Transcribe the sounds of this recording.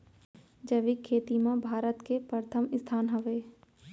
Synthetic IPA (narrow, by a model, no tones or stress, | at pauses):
d͡ʒəʋikʰːeːt̪imãbʱaːɾət̪kepɾəɾət̪ʰəmɪst̪ʰaːnɦɐʋeː